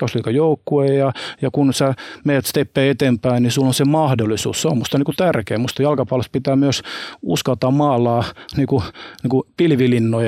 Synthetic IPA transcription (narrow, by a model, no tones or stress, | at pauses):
ɑsliːkɑjoukːuejɑjɑkunsemejæt̪st̪epːeːet̪empæinnisulːonsemɑhdolːˑisṵːsseommust̪ɑnikut̪ærkeːmust̪ɑjɑlkɑpolest̪pit̪æːmyøsuskɑlt̪ɑmmɑːlɑːniːkuniːkupilʋilinːoj